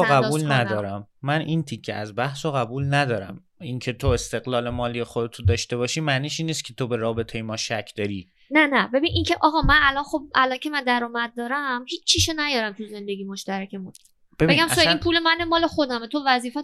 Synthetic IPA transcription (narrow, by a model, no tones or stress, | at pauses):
ɡæbuːlnæd̪ɒːɾæmːænʔint̪ʰicʰːḛʔæzbæhsoɣæbuːlnæd̪ɒːɾæ̰m | incʰe̞t̪ʰoest̪e̞ɣlɒːle̞mɒːlijexod̪et̪ʰund̪ɒːʃt̪e̞bɒːʃiːmæniːʃinːiːst̪̚cʰet̪ʰobe̞ɾɒːbe̞t̪ʰejemɒːʃæcʰd̪̥ɒːɾiː | nænæbe̞biːnʔiːncʰe̞ʔɒːɣɒːmænælɒnχo̞b̚ælɒncʲʰe̞mænd̪æɾɒːmæd̪̚ːɒːɾæmhiːt͡ʃʰːiːʃonæjɒːɾæmt̪ʰuze̞nd̪e̞ɡiːmoʃt̪æɾæcʰe̞mun | b̥ebe̞ɡæmsoinpʰuːlemænemɒːle̞χo̞d̪æmet̪ʰovæziːfæ